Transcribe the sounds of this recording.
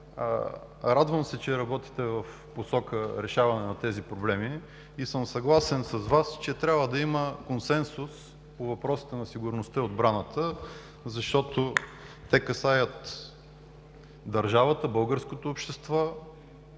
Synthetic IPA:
ɾad̪vəmsɛt͡ʃɛɾɐbɔt̪i̥t̪ɛvɐf | posɔkəɾɛʃavɐnɛnɐt̪ɛzipɾoblɛmi | isɤmsɐɡlˠasɛnsɐzvast͡ʃɛt̪ɾʲabvəd̪ɐiməkonsɛnsus | povɐpɾɔsi̥t̪ɛnɐsiɡʊɾnost̪əod̪bɾanət̪ʰə | zɐʃt̪ɔt̪o | t̪ɛkɐsajət̪ | d̪ɐɾʒavət̪əbɤlˠɡəɾskot̪oːpʃt̪ɛst̪vɔ

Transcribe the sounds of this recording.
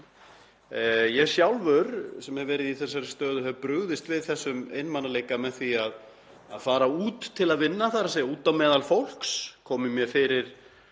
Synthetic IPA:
jɛ̥sjawlvʏɾsɛmhɛvɛːɾɪðiθɛs̬ːaɾɪst̪œːðʏhɛvpɾʏɣðɪst̪vɪðθɛsːʏmḛːjnmanːaleːjkamɛðθiað | aðfaːɾauːt̪ʰːɪlaðvɪnːaθaɾas̬ɛuːt̪amɛːðalfowl̥kskʰɔːmɪmjɛfɪːɾɪɾ̥

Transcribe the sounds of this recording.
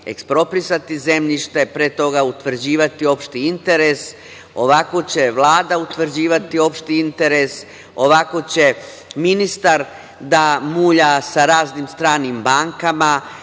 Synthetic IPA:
e̞̰kspɾo̞pɾisat̪ize̞mʎiʃt̪e̞pɾeːt̪o̞ɡaut̪ʋr̩d͡ʑiːʋat̪io̞pʃt̪iint̪e̞ɾe̞s | o̞ʋako̞t͡ɕe̞ʋlˠaːd̪aut̪ʋr̩d͡ʑiːʋat̪io̞pʃt̪iint̪e̞ɾes | o̞ʋako̞t͡ɕe̞ | minist̪aɾ | d̪amuːʎasaɾaːznimst̪ɾaːnimbaːŋkama

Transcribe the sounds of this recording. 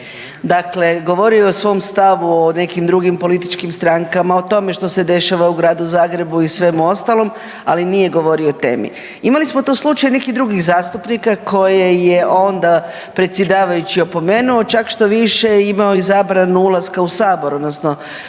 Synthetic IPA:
d̪akle̞ɡo̞ʋo̞ɾioosʋo̞ːmst̪aʋuone̞kimd̪ɾuɡimpo̞lit̪it͡ʃkimst̪ɾaŋkamao̞t̪o̞me̞ʃt̪o̞se̞d̪e̞ʃaʋauɡɾaːd̪uzaːɡɾe̞buisʋe̞muo̞st̪alˠo̞m | a̰linije̞ɡo̞ʋo̞ɾio̞t̪e̞̰ːmḭ | imalismo̞t̪oslˠut͡ʃajne̞kixd̪ɾuɡiɣzaːst̪upnikakʰo̞jeje̞ʔo̞nd̪a | pɾet̪sje̞d̪aːʋajut͡ɕio̞po̞me̞ːnuo̞t͡ʃakʃt̪o̞ʋiʃe̞imaoizaːbɾanuulˠaskausaːbo̞ɾo̞d̪nosno

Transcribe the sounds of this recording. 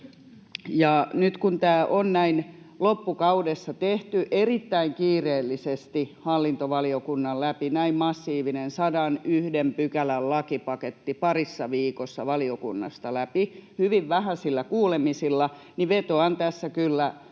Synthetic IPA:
jɑnyt̪kunt̪æːʔonnæin | lopːukɑudesːɑt̪eht̪yʔerit̪ːæiŋkiːreːlːisest̪ihɑlːint̪oʋɑliokunːɑllæpinæimmɑsːiːʋinensɑdɑnyhdempykælællɑkipɑket̪ːipɑrisːɑʋiːkosːɑʋɑliokṵnːɑ̰st̪ɑlæpihyʋiʋʋæhæsilːækuːlemisilːɑ | niʋet̪oɑnt̪æsːækylːæ

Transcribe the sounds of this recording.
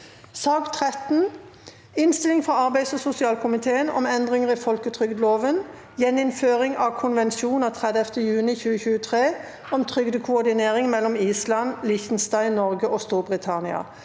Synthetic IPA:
sɑːɡt̪ʰʁɛt̪n̩ | ɪnst̪ɪlɪŋfʁɑɑʁbæɪsɔsʊsɪɑːlkʰʊmɪt̪ʰeːənɔ̰mɛnd̪ʁɪŋəʁifɔlkət̪ʰʁʏɡd̪loːʋən | jɛnɪnføːʁɪŋʔɑkʰʊnʋɛnʃuːnɑt̪ʰʁɛd̪ɛft̪əjʉːnɪçʉːəçʉːət̪ʰʁeː | ɔmt̪ʰʁʏɡd̪əkʰʊɔʁd̪ɪneːʁɪŋmɛlːɔmiːslɑnlɪçt̪n̩st̪æɪnɔʁɡəʔɔst̪uːʁbʁɪt̪ʰɑnɪɑ̰

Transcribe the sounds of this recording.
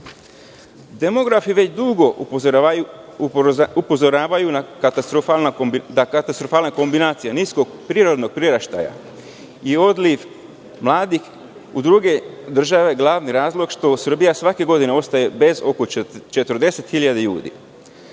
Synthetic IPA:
d̪e̞mo̞ɡɾafiʋe̞t͡ɕd̪uɡo̞ | upozoɾaːʋajunakat̪ast̪ɾofalnad̪akat̪ast̪ɾofaːlnako̞mbinaːt̪sijaniskoɡpɾiːɾo̞d̪no̞ɡ̚pɾiɾaʃt̪a̰ja̰ | io̞d̪liʋ | mlˠaːd̪ix | ud̪ɾuɡe̞d̪r̩ʒaʋe̞ɡlˠaːʋniɾaːzlˠo̞ɡʃt̪o̞sr̩bijasʋake̞ɡo̞d̪ineo̞st̪aje̞be̞zo̞kot͡ʃe̞t̪əɾ̩d̪e̞se̞t̪xiʎad̪eʎṵːd̪ḭ

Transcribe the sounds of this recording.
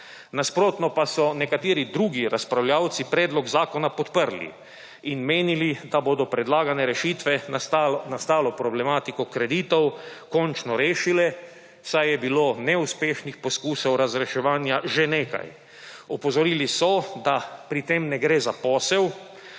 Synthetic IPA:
naspɾoːt̪nɔpasɔnɛkat̪eːɾid̪ɾuːɡiɾaspɾawljaːwt̪sipɾɛːd̪lɔɡzaːkɔnapɔt̪pəɾlḭ | inmeːnilid̪aboːd̪ɔpɾɛd̪laːɡanɛɾɛʃit̪ʋɛ | nast̪aːlɔpɾɔblɛmaːt̪ikɔkɾɛd̪iːt̪ɔwkɔnt͡ʃnɔɾeːʃilɛ | sajjɛbiloːnɛuspeːʃnixpɔskuːsɔwɾazɾɛʃɛʋaːnjaʒeneːka̰j | ɔpɔzɔɾiːlisɔd̪apɾit̪emnɛɡɾeːzapɔːsɛw

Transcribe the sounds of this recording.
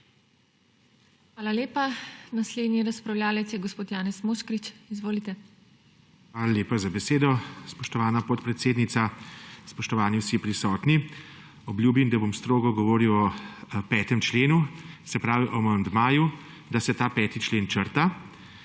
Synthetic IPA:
xʋaːlaleːpanasled̪niɾaspɾawljʲaːlɛt̪sjɛɡɔspoːt̪jaːnɛsmoʃkɾit͡ʃizʋoːlit̪ɛ | xʋaːlaleːpazabɛseːd̪ɔspɔʃt̪ɔʋaːnapɔt̪pɾɛt̪seːd̪nit̪saspɔʃt̪ɔʋaːnjisiɛpɾisɔːt̪ni | ɔbljuːbimd̪abomst̪ɾoːɡɔɡɔʋɔːɾiwɔpɛːt̪ɛmt͡ʃleːnusɛpɾaːʋiʔɔmɔaːjɛmd̪maːju | d̪asɛt̪aːpɛːt̪it͡ʃleːnt͡ʃəɾt̪a

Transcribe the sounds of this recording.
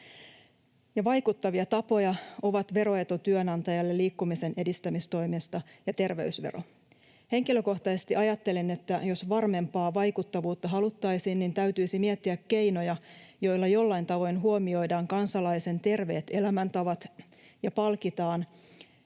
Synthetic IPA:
jɑʋɑjkut̪ːɑʋiɑt̪ɑpo̞jɑo̞ʋɑt̪ʋe̞ɾo̞et̪ot̪yønɑnt̪ɑjɑlːelːiːkːumise̞ne̞dist̪æmist̪o̞jmist̪ɑjɑt̪e̞rʋe̞̰ysʋḛro̞̰ | he̞ŋkiløko̞ht̪ɑsest̪iʔɑjɑt̪ːe̞lene̞t̪ːæjo̞sʋɑrme̞mpɑːʋɑjkut̪ːɑʋuːt̪ːɑɦɑlut̪ːɑjsiːnnint̪æyɥt̪yisimiet̪ːiækkːe̞jno̞jɑjo̞jlːɑjo̞lːɑjnt̪ɑʋo̞jnɦuo̞mio̞jdɑːŋkɑnsɑlɑise̞nt̪e̞rʋe̞ːt̪e̞læmænt̪ɑʋɑt̪ | jɑpɑlkit̪ɑːn

